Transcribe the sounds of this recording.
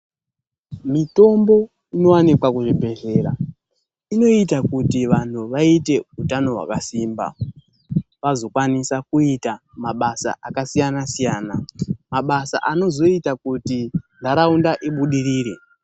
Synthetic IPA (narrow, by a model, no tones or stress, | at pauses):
mito̞mbo̞ | ino̞wanikwakuʐibʱe̞ɮe̞ːɾa | ino̞itakutiʋan̤ʰuʋaite̞utano̞ɦwa̰kasiːmba̰ | ʋazo̞kwanisakuita | maɓasa̰akasijanasijaːnamaɓasa̰ʔano̞zo̞itakutindʱaɾaundaʔiɓuɗiɾiːɾe̞